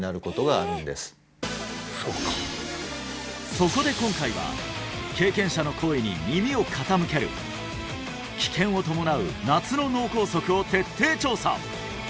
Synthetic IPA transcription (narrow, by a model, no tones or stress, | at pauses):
naɾɯ̟ko̞t̪o̞ɡaːɾɯ̟̃nd̪e̞sɨ̥ | soka̰ | so̞ko̞d̪e̞kõ̞ŋkaiβa̰ | ke̞ːkẽ̞ɰ̃ɕano̞kʰo̞ːiɲ̟ḭmʲimʲio̞kʰat̪amɯ̟ke̞ɾɯ̟̰ | kʲi̥kʰẽ̞ɰ̃o̞t̪o̞mo̞naɯ̟̰nat͡sɨno̞no̞ːko̞ːso̞kɯ̟o̞t̪e̞t̪ʰːe̞ːt͡ɕo̞ːsa̰